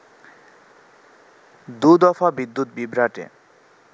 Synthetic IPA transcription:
d̪ud̪ɔfʰabid̪ːut̪̚bibɾaʈḛ

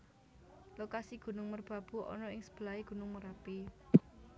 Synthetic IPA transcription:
lokasiɡ̥ṳnʊŋmərb̥ä̤b̥ṳʔɔ̰nɔɪŋsə̥b̥əlaeɡ̥ṳnʊŋməɾapi

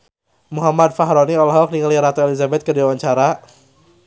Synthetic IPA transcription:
muɦamad̚faɦɾɔniɔlɦɔk̚niŋəliɾat̪ɔelizabɛt̪̚kəduwawaɲt͡ʃaɾa

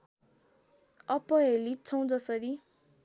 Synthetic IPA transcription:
ʌpʌɦelit͡sʰʌ̃w̃d͡zʌsʌɾi

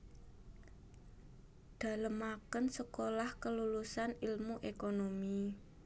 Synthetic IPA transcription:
d̪̥ä̤ləmakənsəkolahkəlulusanilmuʔekonomi

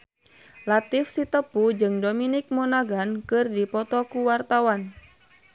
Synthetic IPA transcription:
lat̪ifsit̪əpud͡ʒɨŋdominɪk̚mɔnaɡankɨrdipɔt̪ɔkuwart̪awan

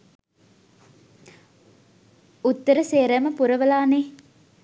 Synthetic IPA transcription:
ut̪ːəɾəseːɾəməpuɾəʋəlaːne

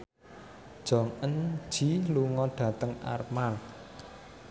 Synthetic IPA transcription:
d̥ʒ̥ɔ̤ŋən̥d͡ʒ̥i̤luŋɔɖ̥ä̤t̪əŋa̰rmar

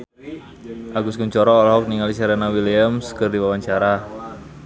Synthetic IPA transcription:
ʔaɡuskuɲt͡ʃɔɾɔːlɦɔk̚niŋalisaɾenawiliamskərdiwawaɲt͡ʃaɾa

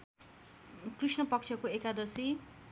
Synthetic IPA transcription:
krisnʌpʌk̚t͡ʃʰjʌkoekad̪ʌsi

